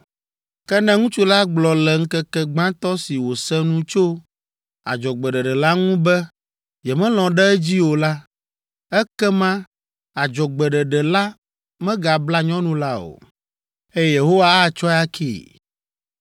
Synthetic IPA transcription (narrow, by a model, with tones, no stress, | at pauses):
kɛ˦nɛ̃˦ŋũ˦t͡ʃu˦la˦ɡ͡blɔ˨lɛ˨ŋ̩˦kɛ˦kɛ˦ɡ͡bã˦t̪ɔ˦si˨wo˨sɛ˦nũ˦t͡ʃo˦ | a̰˨d͡ʒɔ˨ɡ͡bɛ˨ɖɛ˨ɖɛ˨la˦ŋũ˦bɛ˦ | jɛ˨mɛ̃˦lɔ̃˨ɖɛ˦ɛ˦d͡ʑi˦wo˨la˦ | ɛ˦kɛ˦mã˦ | a˨d͡ʒɔ˨ɡ͡bɛ˨ɖɛ˨ɖɛ˨la˦ | mɛ̃˦ɡa˨bla˦ɲɔ̃˦nũ˦la˦o̰˨ | ɛ˦je˨ɦo˦wa˦a˦t͡ʃɔ˦ja˦kʰḭː˦˨